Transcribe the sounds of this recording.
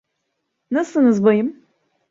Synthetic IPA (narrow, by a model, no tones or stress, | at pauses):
nɨsɨnɨzbɐjɪm